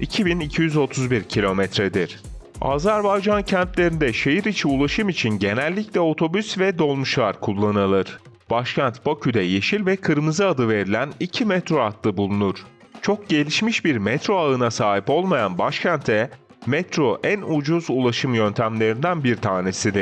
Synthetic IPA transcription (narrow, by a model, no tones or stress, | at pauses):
icʰibinicʰijyzo̞t̪ʰuzbiɾcʰilʲo̞mɛt̪ɾed̪iɾ̥ | a̰zæɾbajd͡ʒancʰænt̪lʲe̞ɾind̪ɛʃejiɾit͡ʃʰiulˠaʃɯmit͡ʃʰinɟe̞nælʲːiclʲɛo̞t̪ʰo̞bysvɛd̪o̞lˠmuʃlˠaɾkʰulˠːanalˠɯɾ̥b̥aʃcʰænt̪bacʰyd̪ɛjeʃilʲvɛkʰɯɾmɯzɯad̪ɯve̞ɾilʲænicʰimɛt̪ɾo̞at̪lˠɯbulˠunuɾ̥ | t͡ʃʰo̞k̚ɟe̞lʲiʃmiʃbiɾmɛt̪ɾo̞aɯnasaːɦipo̞lˠmajanbaʃcʰænt̪ʰɛ | mɛt̪ɾo̞ʔænud͡ʒuzulˠaʃɯmjø̞nt̪ʰæmlʲe̞ɾind̪ænbiɾt̪ʰaːne̞sid̪ɪɾ̥